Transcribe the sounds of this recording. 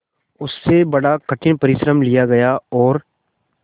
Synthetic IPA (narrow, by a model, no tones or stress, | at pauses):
ʊsːebɐɽakɐʈʰɪnpɐɾɪʃɾəmlijaɡɐjaɔːɾ